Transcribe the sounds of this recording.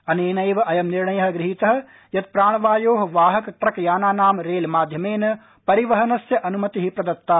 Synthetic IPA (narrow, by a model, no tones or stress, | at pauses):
ɐneːnɐjʋʔɐjɐmniɾɳɐjɐɦɐɡɾɪɦit̪ɐɦ̆ | jɐt̪̚pɾaːɳ̃ʋaːjoːɦʋaːɦɐkʈɾɐkjaːnaːnaːmɾeːlmaːd̪ʱjɐmeːnɐ | pɐɾiʋɐɦɐnɐsjɐʔɐnumɐt̪iɦipɾɐd̪ɐt̪ːaː